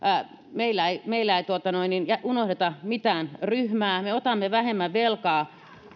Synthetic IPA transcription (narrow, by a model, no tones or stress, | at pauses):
meilːæeimeilːæeit̪uot̪ɑnoininjæʔunohdet̪ɑmit̪æːnryhmæːmeot̪ɑmːeʋæhemːæʋʋelkɑː